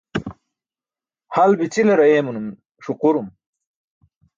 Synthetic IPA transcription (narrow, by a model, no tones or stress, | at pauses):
hɐlbit͡silɐɾɐjeːmunum | ʂuquɾum